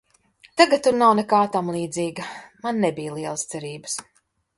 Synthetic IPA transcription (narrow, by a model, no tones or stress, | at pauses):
t̪aɡat̪̚t̪ːuɾnawnɛkaːt̪amlˠiːd̪ziːɡɐmanːɛbijlˠiɛlˠəst̪sɛɾiːbəs